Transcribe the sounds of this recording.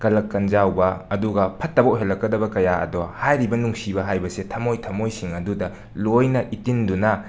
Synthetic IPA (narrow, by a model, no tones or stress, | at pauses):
kɐlɐkːɐnd͡ʒawbɐːduɡɐpʰɐtːɐbowɦelɐkːɐdɐbɐkɐjaɐ̰dɔhajɾibɐnuŋsibɐɦajbɐsetʰɐmojtʰɐmojsiŋɐdudɐ | lojnɐʔitindunɐ